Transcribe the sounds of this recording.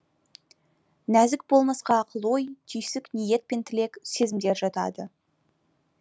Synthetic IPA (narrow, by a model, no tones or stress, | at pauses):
næzɪk̚bo̞lˠmɑsqɑːqʰəlˠo̞jt̪ʰʏjsɪknije̞t̪̚pe̞nt̪ʰɪle̞kse̞zɪmd̪e̞ɾʒɑt̪ɑ̰d̪ə